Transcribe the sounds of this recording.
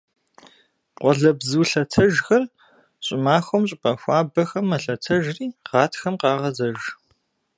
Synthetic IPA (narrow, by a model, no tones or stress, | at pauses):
qʷɔɮɐbzuːɬɐtʰɐʒxɐr | ɕʼɪmaːxʷɐmɕʼɪpʼɐxʷɑːbɐxɐmːɐɬɐtʰɐʒriːʁɑːtʰxɐmqɑːʁɐzɐʒ